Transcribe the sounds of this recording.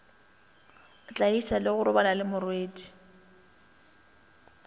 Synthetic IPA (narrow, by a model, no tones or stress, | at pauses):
t͡ɬʼaiʃalɪɣʊɾʊbalalɪmʊrweːdi̥